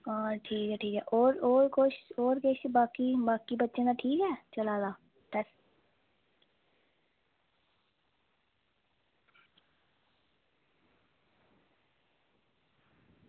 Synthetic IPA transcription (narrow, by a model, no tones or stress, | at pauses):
aːʈʰiːkɦɛːʈʰiːkɦɛ̰ːʔoːɾoːɾkoʃoːɾkeʃbaːkibaːkibətːʃẽnaʈʰiːkɦɛːt͡ʃəlaːd̪aː | t̪ɛs